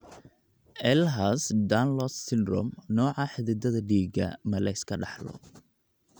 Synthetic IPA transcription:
ʔɛlɦasd̪anlɔssɪnrɔmnɔːʕɑħɪðɪd̪ɐðɐɖiːɡɐ̰mɐlɛskʰɐɖɑħlɔ̰

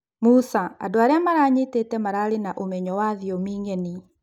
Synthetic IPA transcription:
musaa̰doaɾeamaɾaːɲetetɛmaɾaːɾenaʔomɛɲɔwaðiɔmiːŋɛni

